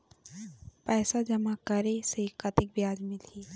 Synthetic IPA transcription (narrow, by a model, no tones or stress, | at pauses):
pɛːsad͡ʒɐmakɐɾesekɐt̪ɪk̚bjaːd͡ʒmɪ̃t̪ʰiː